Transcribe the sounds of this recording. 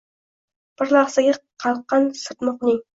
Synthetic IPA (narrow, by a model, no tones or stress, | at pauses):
b̥ɪɾlˠɑχsaɡʲaqʰɑlˠqːɑnsɨɾt̪mʊqnɪŋ